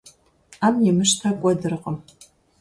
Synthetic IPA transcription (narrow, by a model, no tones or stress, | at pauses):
aːmjɛmɨʃtʰaːkʷʼɔdɨrɨqʼəm